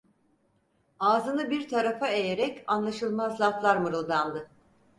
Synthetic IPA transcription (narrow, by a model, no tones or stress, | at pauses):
aːzɯnɯbiɾt̪ʰaɾafae̞jeɾɛcanlˠaʃɯlˠmazlˠaflˠaɾmɯɾɯlˠd̪and̪ɯ